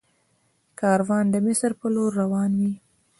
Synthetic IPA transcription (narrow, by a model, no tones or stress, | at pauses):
kɑɾwɑnd̪əmɪsɾpəloɾːawɑnwi